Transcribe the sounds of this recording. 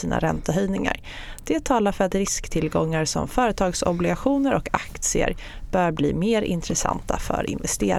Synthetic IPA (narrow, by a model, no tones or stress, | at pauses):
iːna̰ɾɛnt̪aɦœjnɪŋa̰ɾ | d̪̥ɛt̪ʰɑːlaɾfœɾat̪ɾɪskt̪ʰɪlɡɔŋːaɾsɔ̰mfœːɾət̪ʰɑːɡsɔblɪɡaɧuːnəɾʔɔkakt̪sɪə̰ɾb̥œːɾbliːmeːɾɪ̰nt̪ɾɛsa̰nt̪ʰafœ̰ɾɪ̰nvɛst̪eːɾ